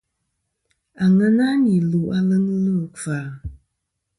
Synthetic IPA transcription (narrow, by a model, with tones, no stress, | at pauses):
a˨ŋə˦na˦ni˨lu˨a˦lə˦ŋə˦lə˦˨kfa˨